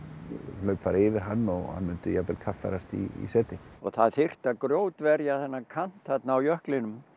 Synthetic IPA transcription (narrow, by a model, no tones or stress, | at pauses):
lœɥpfaːɾɪːvɪɾɦanːɔɣha̰nmʏnt̪ʏjapɛlkʰafːɛ̰ɾast̪ḭḭsɛːt̪ɪɔɣθaðθɪr̥t̪akɾjoːwt̪vɛɾjaθɛnːakʰan̥t̪hat̪naːwjœhklɪnʏm